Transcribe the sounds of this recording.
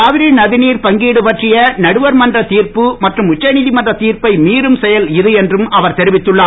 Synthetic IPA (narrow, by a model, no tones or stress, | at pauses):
aːʋɪɾinɐðɪniːɾpɐŋɡiːɽɯpɐʈrɪjɐnɐɽɯʋɐɾmɐndrɐt̪iːɾpɯmɐʈrɯmʊt͡ʃːɐniːðimɐndrɐt̪iːrpɐɪmiːɾɯmsɛjɐlɪðɯɛndrɯmɐʋɐɾt̪ɛɾɪʋɪt̪ːɯɭːaː